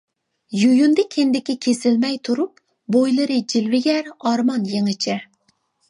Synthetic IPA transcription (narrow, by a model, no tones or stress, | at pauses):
jujund̪ɨkʲʰend̪ɪkʲikʲʰesɪlmɛjt̪ʰuɾup̚ | bojlˠɨɾɨd͡ʒilvɪɡʲæɾɑɾmɑnjeŋɪt͡ʃʰɪ